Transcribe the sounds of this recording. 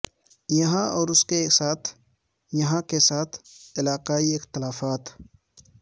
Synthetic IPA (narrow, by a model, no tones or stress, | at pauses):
jɐɦãɔːɾʊskesaːt̪ʰ | jɐɦãkesaːt̪ʰɪlaːqaːiɪxt̪ɪlaːfaːt̪ʰ